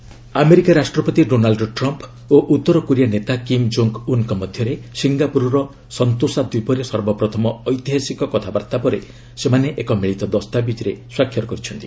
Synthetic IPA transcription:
ameɾikaɾasʈɾɔpɔt̪iɖonalɖʈɾɔmp | oʔut̪ːɔɾɔkuɾijanet̪akimd͡ʒoŋkunkɔmɔd̪ʱjɔɾesiŋɡapuɾɔɾɔ | sɔnt̪osad̪wipɔɾesɔɾbɔpɾɔt̪ʰɔmɔːjt̪iɦasikɔkɔt̪ʰabaɾt̪apɔɾḛ | semaneʔekɔmiɭit̪ɔd̪ɔst̪abid͡ʒ̪iɾeswakʰːjɔɾɔkɔɾit͡ʃʰɔnt̪i

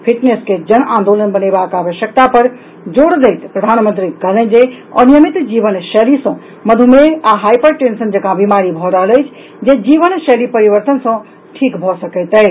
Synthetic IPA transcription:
pʰiʈnesked͡ʒənãnd̪olənbənebakaːʋəʃjək̚t̪apəɾ | d͡ʒoɽd̪ɛjt̪pɾəd̪ʱanmə̃nt̪ɾiɡəlẽnd͡ʒe | ə̰nijəmit̪d͡ʒiʋənʃɛlisə̃ | məd̪ʱumeaɦajpəɾʈensənd͡ʒəkãbimaɾibʱɔɾəɦələjt͡ʃʰ | d͡ʒed͡ʒiʋənʃelipəɾiʋəɾt̪ənsə̃ | ʈʰikbʱɔsəkɛt̪ɛj

